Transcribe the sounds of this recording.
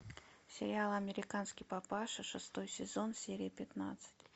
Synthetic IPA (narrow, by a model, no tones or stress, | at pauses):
sʲɪɾʲɪalˠɐmʲɪɾʲɪkanskʲɪjpapaʂɨʂɨst̪o̞jsʲɪzo̞nsʲeɾʲɪjəpʲɪt̪na̰t̪sɨ̥tʲ